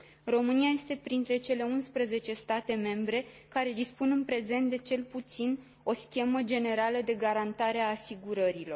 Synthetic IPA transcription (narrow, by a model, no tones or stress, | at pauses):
ro̞mɨniaje̞st̪e̞pɾint̪ɾe̞t͡ʃe̞le̞unspɾəze̞t͡ʃe̞st̪at̪e̞me̞mbɾe̞kaɾe̞d̪ispunɨnpɾe̞ze̞nt̪̚d̪e̞t͡ʃe̞lput̪sin | o̞skʲe̞məd͡ʒe̞ne̞ɾaləd̪e̞ɡaɾant̪aɾe̞aːsiɡuɾəɾilo̞r